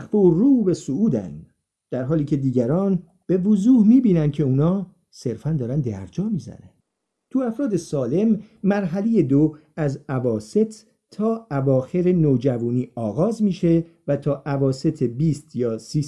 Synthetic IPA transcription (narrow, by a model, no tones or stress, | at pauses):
xforuːbe̞souːd̪æ̰n | d̪̥æɾɦɒːliːcʰe̞d̪iːɟæɾɒːn | b̥e̞vozuːhmiːbiːnænd̪̥̚cʰe̞uːnɒː | se̞ɾfænd̪ɒːɾænd̪æ̰ɾd͡ʒɒːmiːzæ̰næ̰n̥ | t̪ʰuæfɾɒːd̪e̞sɒːle̞mːæɾɦæleje̞d̪o | æzævɒːse̞t̪ʰː | ɒːævɒːxe̞ɾenoːd͡ʒævuːniːɒːɣɒːzmiːʃe̞ | væt̪ʰɒːʔævɒːse̞t̪ʰe̞biːst̪ʰjɒːsiː